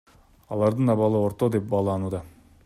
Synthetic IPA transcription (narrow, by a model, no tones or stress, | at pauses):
ɑlˠɑɾd̪ɯnɑβɑlˠɯo̞ɾt̪o̞d̪ep̚bɑːlˠɑnuːd̪ɑ